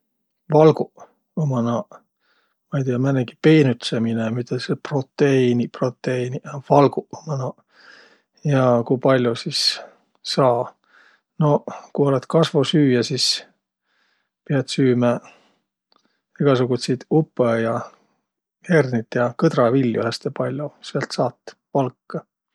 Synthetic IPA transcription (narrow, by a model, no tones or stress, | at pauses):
vɑlɡu | omɑnɑ | mɑjd̪eɑmæneɡ̥i̥pe̞ːnut̪seminemit̪ːˑesepro̞t̪ːeiniprot̪ˑːeinivɑlɡ̥uomɑnɑ | jɑkujpɑlʲjusisː | ɑː | no̞kuo̞let̪kɑsvosyːjɑsis | pieɑt̪syːmæ | iɡ̥ɑsuɡut̪sijd̪upːejɑ | hernit̪ːjɑkɤd̪̥rɑvilʲːjuhæst̪epɑlʲjoseɑlt̪sɑːt̪ːˑpɑlkːɑ